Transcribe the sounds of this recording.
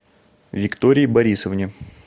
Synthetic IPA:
vʲɪkt̪oɾʲɪjbɐɾʲisəvnʲɪ

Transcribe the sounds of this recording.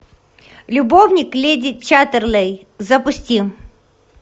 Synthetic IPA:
lʲʊbovnʲɪklʲedʲɪt̪̚t͡ɕat̪ərlˠɛj | zɐpʊsʲtʲim

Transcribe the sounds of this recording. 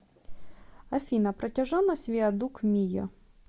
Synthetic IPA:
ɐfʲinɐpɾɐtʲɐʒɔnɔsʲʋʲiɐd̪ukmʲijɔ̰

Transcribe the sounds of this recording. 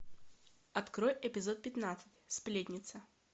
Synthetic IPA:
ɐt̪kɾojɛpʲɪzot̪̚pʲɪt̪nat̪sɨtʲsplʲet̪ʲnʲɪt̪sə

